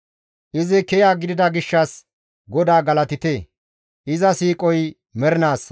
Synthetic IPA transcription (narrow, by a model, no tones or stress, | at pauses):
ʔɪzɪkɛjaːɡɪd̪ɪd̪ɐɡɪʃːɐs | ɡɔd̪aːɡɐlɐt̪ɪt̪eː | ʔɪzɐsiːkʼɔj | mɛɾɪnaːs